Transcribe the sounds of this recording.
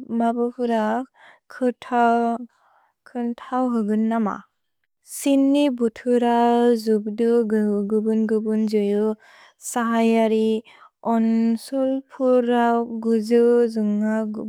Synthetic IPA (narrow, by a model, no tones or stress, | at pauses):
mabɯpʰuɾa | kʰɯtʰa | kʰɯntʰawɦɯɡɯnːama̰ | sinːibutʰɯɾazubdɯɡɡɯbɯnɡɯbɯnzɯjɯ | saɦajaɾi | ɔnsɔlpʰuɾaɡuzɯzɯŋaɡ